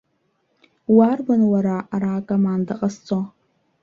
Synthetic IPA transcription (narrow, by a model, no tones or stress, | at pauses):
warbanwaɾaaɾaːkʼomandaqʼast͡sʼo